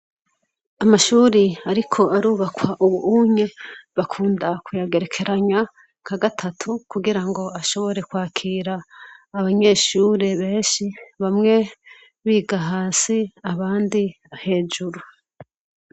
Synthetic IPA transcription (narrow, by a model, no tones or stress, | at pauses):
amaʃuːɾiaɾikʰo̞aɾuːβakwaʔuβuuɲe̞βakʰuːndakʰujaɡe̞ɾe̞kʰe̞ɾaɲa | kaɡatʰatʰukuɡiɾaŋɡo̞aʃo̞βo̞ɾe̞kwaːkʰiɾaːβaɲe̞ːʃuːɾe̞βe̞ːnʃiβamŋe̞ | βiːɡaɦaːsiaβaːndiβahe̞ːd͡ʒuɾu